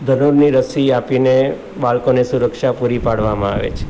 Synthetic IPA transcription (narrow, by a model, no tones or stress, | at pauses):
d̪ʱənuɾniɾəsiapine | baɭkonesuɾəkʃapuɾipaɽʋamãaʋḛt͡ʃʰe̥